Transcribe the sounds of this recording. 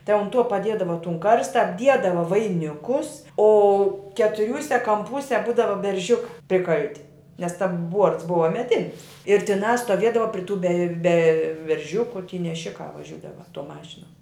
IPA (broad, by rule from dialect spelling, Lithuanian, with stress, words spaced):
tɐɪ ʊn ˈtuɔ pɐˈdʲiɛdɐʋɐ tʊn ˈkɐrstɐ ɐbʲˈdʲiɛdɐʋɐ ʋɐɪˈnʲɪkʊs oː kʲɛtʊˈrʲuːsʲɛ kɐmˈpuːsʲɛ ˈbuːdɐʋɐ bʲɛrʲˈʒʲʊkɑː pʲrʲɪˈkɐlʲtʲɪ nʲɛs ˈtɐm ˈbuɔrts ˈbʊʋɐ mʲɛˈdʲɪnʲɪs ɪr tʲɪˈnɑː stoːˈʋʲiɛdɐʋɐ pʲrʲɪ tuː bʲɛ bʲɛ bʲɛrʲˈʒʲʊkʊ tʲiː nʲɛˈʃʲɪkɑː ʋɐˈʒʲuːdɐʋɐ ˈtuɔ ˈmɑːʃʲɪnuɔ